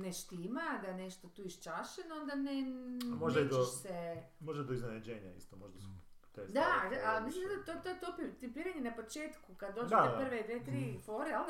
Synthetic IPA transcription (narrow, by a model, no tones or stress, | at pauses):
neʃt̪imad̪aneʃt̪ot̪uːiʃt͡ʃaʃenond̪anemoʒd̪aid̪ose | moʒd̪ad̪oiznenad͡ʑeːɲa̰ḭst̪omoʒd̪ast̪ed̪ad̪amislimsand̪at̪oet̪ojet̪opit̪ipiɾaɲenapo̞t͡ʃeːt̪kukad̪d̪o̞ːdd͡ʒeaed̪pr̩ʋed̪ʋeːt̪ɾifoɾeo